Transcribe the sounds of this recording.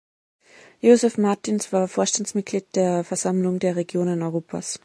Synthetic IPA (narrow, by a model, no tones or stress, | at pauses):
joːzɛfmaɐtinsv̥aːɐfoːɐʃtantsmɪt̚ɡ̥liːt̚d̥eːɐfɛɐz̥amlʊŋdeːɐʁeɡ̥joːnənɔʏʁoːpʰa̰s